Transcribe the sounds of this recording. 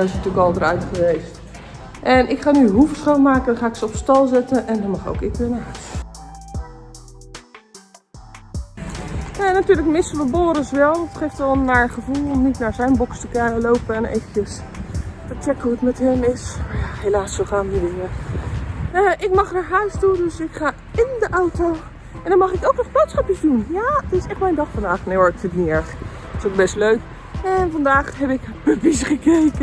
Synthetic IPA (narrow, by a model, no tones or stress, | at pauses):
ɪsnətyːkɔlˠdəɾœɥtχəʋejst | ʔɛnɪkχaːnyɦuftχomaːkənχaːɪksəɔpstɑlˠzɛtəɛndɔnmɑχo̰wkɪkːɪnə | janatyːələkmɪsəʋəboːɾəsʋɛlˠətχejftɔlˠnːaɹχəvulˠɔmnitnaːɹzɛjnbɔkstəkɛəlowpəɛnḛjvətjəs | tət͡ʃɛkəuətmɛtɦɛmɪsmajahelaːsoχaːndidɪŋə | əʔɪk̚mɑχdaɹɦœɥstundøsɪkχaː | ɪndəʔawto | ɛndɑnmɑχɪkowknɔχblotsχɑpjəzdunjadɪsɛχtmɛjndɑχfɑndaːχnejʋɔɹtfɪnk̚niɛɹχ | tɪsowk̚bɛstløɥk | ɛnfɑndaːχɦɛpɪkpəvisχəkejkə